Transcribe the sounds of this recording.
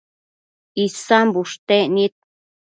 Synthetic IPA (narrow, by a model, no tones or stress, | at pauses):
isambuʂt̪eʔnit̪̚